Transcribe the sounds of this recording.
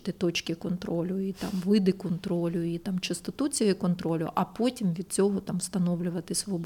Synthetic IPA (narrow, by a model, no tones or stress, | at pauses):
t̪ɪt̪ɔt͡ʃkʲɪkɔnt̪ɾoɔlʲʊit̪amʋɪd̪ɪkɔnt̪ɾolʲʊit̪amt͡ʃɐst̪ɪt̪ut͡sʲijʊkɔnt̪ɾɔlʲʊ̰ʔɐpɔtʲimʋʲid̪̚t͡sʲɔɦɔt̪amst̪ɐnɔwlʲʊʋɐt̪ɪsʲʋɔb